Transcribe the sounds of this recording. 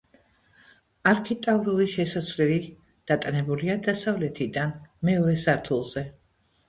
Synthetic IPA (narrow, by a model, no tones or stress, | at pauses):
aɾkʰit̪ʼavɾuliʃɛsasvɾɛli | d̪̥at̪ʼanɛbuliad̪asavlɛt̪ʰid̪anmɛɔɾɛsaɾt̪ʰulˠz̥ɛ